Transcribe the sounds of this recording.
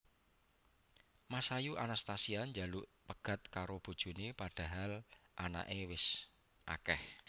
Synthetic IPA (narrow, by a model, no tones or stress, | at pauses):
masajuʔanast̪asiaɲd͡ʒaluʔpəɡ̥a̤t̪̚kaɾob̥ṳd̥ʒ̥ṳnepaɖ̥a̤ɦalʔana̰ʔewɪs | ʔa̰kɛh